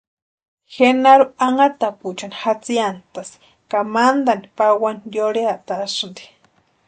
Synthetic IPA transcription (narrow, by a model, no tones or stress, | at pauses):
xenaɾuaŋat̪aput͡ʃanixat͡siant̪asi̥ | kamand̪anipawanjoɽeaʔt̪asɨnd̪i̥